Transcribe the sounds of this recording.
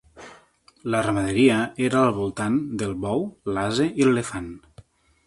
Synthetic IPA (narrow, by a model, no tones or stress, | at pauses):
lərəməðeɾiəeɾaːlˠβulˠt̪and̪əlˠβɔwlazeilelefan